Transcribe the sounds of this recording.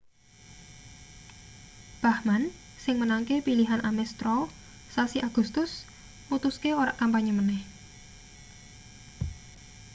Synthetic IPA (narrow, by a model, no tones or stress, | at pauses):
b̥ahman | sɪŋmənaŋkepiliɦanʔamɛst̪ɾɔ | sasiʔaɡ̥ust̪ʊs | mut̪uskeoɾaʔkampaɲəmənɛh